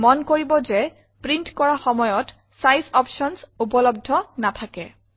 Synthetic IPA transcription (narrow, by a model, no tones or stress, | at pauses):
mɔnkoɹibɔzɛ | pɹintkɔɹaxɔmɔjɔt | sajsɔpʃɔnsupɔlɔb̚dʱɔnatʰakɛ